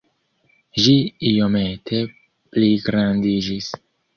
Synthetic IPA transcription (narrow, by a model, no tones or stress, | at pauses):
ʒiijo̞me̞tʰe̞ | pliɡɾandid͡ʒis